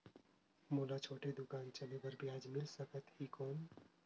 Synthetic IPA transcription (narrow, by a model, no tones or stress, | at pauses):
molat͡ʃʰoːʈed̪ʊkaːnt͡ʃəlebəɾbjaːd͡ʒmɪlsəkət̪ɦikɔːn